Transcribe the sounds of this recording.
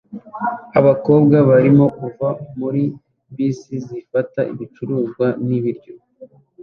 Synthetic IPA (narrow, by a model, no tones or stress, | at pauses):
aβako̞ːbɡaβaɾimo̞kuvamuɾi | bisizifataʔḭβit͡ʃuɾuːzɡwaniβiɾɟo̞